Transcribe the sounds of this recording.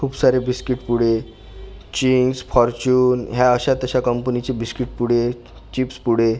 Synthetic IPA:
kʰuːpsaɾebiskiʈpuɽ̤e | t͡ɕinsfɔɾt͡ɕuːnɦjaəɕat̪əɕakəmpənit͡ɕebiskiʈpuɽ̤e | t͡ɕipspuɽ̤e

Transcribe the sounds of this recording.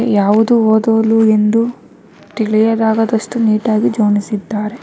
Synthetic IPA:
jaːʋud̪uoːd̪oːlue̞nd̪u | t̪iɭijɐd̪aːɡɐd̪ɐʂʈuniːʈaːɡid͡ʒoːnisid̪ːaːɾe

